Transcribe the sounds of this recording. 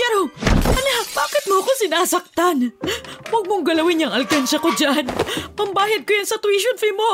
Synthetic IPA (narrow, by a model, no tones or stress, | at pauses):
ɛɾoɐlɐɦabaːkɪt̪̚moʔɐkosɪnaːsɐk̚t̪anwɐɡ̚moŋɡɐlɐwɪɲɐŋɐlkanʃɐkod͡ʒaʔnpɐmbaːjɐd̪̚kojɐŋsɐt̪wiʃonfimo